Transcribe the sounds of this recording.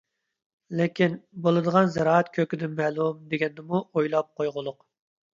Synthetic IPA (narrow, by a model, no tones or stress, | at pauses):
lɪkʲʰinbolˠɨd̪əʁɑnzɛɾɑːɛt̪kʲʰøkʲɪd̪ɪnmɛːlˠumd̪eɡʲɛnd̪ɪmuojlˠɑp̚qʰojʁʊlˠʊq